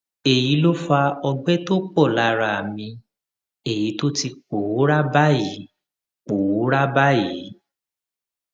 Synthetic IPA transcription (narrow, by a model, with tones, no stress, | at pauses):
e˨ji˨˦lo˦fa˧ɔ˧ɡ͡bɛ˦to˦k͡pɔ˦˨la˨˦ɾa˧a˨mĩ˧ | e˨ji˨˦to˦ti˧k͡po˨wo˨˦ɾa˦ba˦ji˨˦ | k͡po˨wo˨˦ɾa˦ba˦ji˨˦